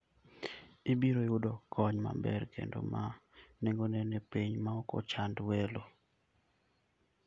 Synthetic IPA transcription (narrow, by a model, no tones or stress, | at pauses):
ibiɾojʊdɔkʰɔɲma̰bɛ̰rkʰḛndo̰maneŋɡonɛnɛpiɲmaɔko̰t͡ʃandwelo